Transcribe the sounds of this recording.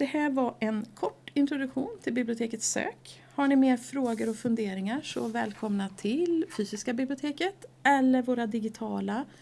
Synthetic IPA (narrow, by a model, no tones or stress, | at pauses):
d̪̥ɛhæːɾvaʔɛnkʰɔʈːɪnt̪ɾʊd̪ɵkɧuːnt̪ʰɪlbɪblɪʊt̪ʰeːkət̪sø̰ːk | haɳɪmeːɾfɾoːɡəɾɔfɵnd̪eːɾɪŋaʂɔvɛːlkʰɔmnat̪ʰɪlfyːsɪskabɪblɪʊt̪ʰeːkət̪ɛlːəɾvoːɾad̪ɪɡɪt̪ʰɑːla